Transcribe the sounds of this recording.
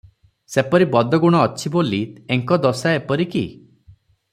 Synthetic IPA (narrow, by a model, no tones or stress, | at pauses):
sepɔɾibɔd̪ɔɡuɽ̃ɔːt͡ʃʰibolieŋkɔd̪ɔsaepɔɾikḭ